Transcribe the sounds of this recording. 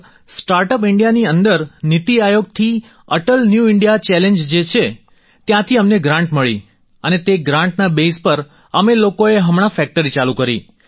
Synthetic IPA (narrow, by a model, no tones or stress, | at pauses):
sʈaɾʈəpɪɳɖijaniənd̪əɾnit̪iajoɡ̚t̪ʰi | əʈəlnjuɪɳɖijat͡ʃɛlẽnd͡ʒd͡ʒet͡ʃʰe | t̪jãt̪ʰiəmneɡɾãɳʈməɭḭ | ənet̪eɡɾãɳʈnabespəɾ | əmelokoeɦəmɳ̃afɛk̚ʈəɾit͡ʃalukəɾḭ